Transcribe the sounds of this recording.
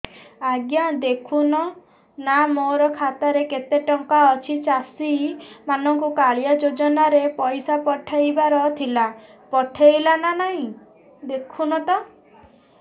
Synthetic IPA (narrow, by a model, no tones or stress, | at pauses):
aɡjad̪ekʰunɔ | namoɾɔkʰat̪aɾeket̪eʈɔŋkaɔt͡ʃʰit͡ʃasimanɔŋkukaɭjad͡ʒod͡ʒɔnaɾepɔjsapɔʈʰejbaɾɔt̪ʰila | pɔʈʰejlananaɦĩ | d̪ekʰunɔt̪ɔ